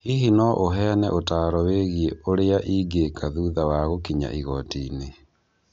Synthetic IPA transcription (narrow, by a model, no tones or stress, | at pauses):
iɦinɔʔoɦɛnɛ̰ʔotaːɾɔweɣieoɾeaʔiːɡekʰaðuðawaɣokiɲa̰ʔiɣɔtiːne